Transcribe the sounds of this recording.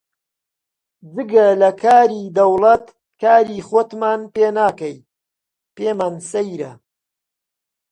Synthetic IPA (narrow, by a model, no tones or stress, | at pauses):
d͡zɨɡɐlɐkʰaːɾiːd̪ɐwlˠɐt̪ | kaːɾiːχoːt̪maːnpeːnaːkɐj | peːmaːnsɐjɾɐ̰